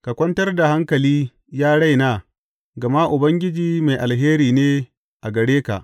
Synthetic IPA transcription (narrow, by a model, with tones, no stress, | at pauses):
ka˨kʷɐ˦ntɐ˦rda˨ha˦ŋkɐ˨liː˦ | jaː˦ɽa˦jnaː˦ | ɡɐ˨ma˦ʔʊ˨bɐ˦ŋɡʲɪ˦d͡ʒiː˦ma˨jʔa˨lɦeː˦ɾiː˨neː˦ | ʔa˨ɡɐ˨ɽeː˦ka̰˨ʔ